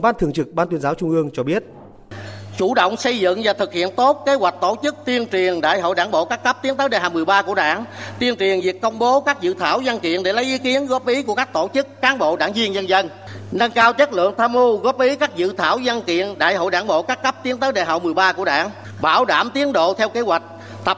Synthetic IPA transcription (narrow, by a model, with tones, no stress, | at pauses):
ɓaː˧nt̪ʰɨ˨˩əŋt͡ɕɨ˨˩k̚ɓaː˧nt̪wi˧nzaː˨˦wt͡ɕʊ˧ŋ͡mʔɨ˧əŋt͡ɕɔ˧ɓi˦˥ət̚ | t͡ɕu˧˩ɗə̰˧˨wŋ͡msə˧jzɨ̰˧˨ŋvaː˨˩t̪ʰɨ˨˩k̚hḭ˧˨ənt̪o˦˥t̚ke˨˦ɦwa˨˩jk̟̚t̪o˧˩t͡ɕɨ˦˥k̚t̪i˧ənt͡ɕwi˨˩ənɗa̰ː˧˨jɦo̰˧˨jɗaː˧˩nɓo̰˧˨kaː˦˥kːə˦˥p̚t̪i˨˦ət̪əː˨˦jɗe˨˧˨ɦaː˨˩mɨ˨˩əjɓaː˧ku˧˩əɗa̰ː˧˩ŋt̪i˧ənt͡ɕwi˨˩ənvi˨˩ək̚kə˧wŋ͡mɓo˨˦kaː˦˥k̚zɨ̰˧˨t̪ʰaː˧˩wzə˧nkḭ˧˨ənɗe˧˩lə˨˦jʔi˨˦ki˨˦ənɣɔ˦˥p̚ʔi˨˦ku˧˩əkaː˦˥k̚t̪o˧˩t͡ɕɨ˦˥kːaː˨˦nɓo̰˧˨ɗa̰ː˧˩ŋzi˧ənzə˧nzə˧n | na˧ŋkaː˧wt͡ɕə˦˥t̚lɨ̰˧˨əŋt̪ʰaː˧mu˧ɣɔː˦˥p̚ʔi˨˦kaː˦˥k̚zɨ̰˧˨t̪ʰaː˧˩wzə˧nkḭ˧˨ənɗa̰ː˧˨jhɦo̰˧˨jɗaː˧˩nɓo̰˧˨kaː˦˥kːə˦˥p̚t̪i˨˦əŋt̪əː˨˦jɗḛ˧˩ɦa̰˧˨wŋ͡mmɨ˨˩əjɓaː˧ku˧˩əɗa̰ː˧˨ŋ | ɓaː˧˩wɗaː˧˩mt̪i˨˦ənɗo̰˧˨t̪ʰɛ˧wke˨˦ɦwa˨˩jk̟̚ | t̪ə˨˩p̚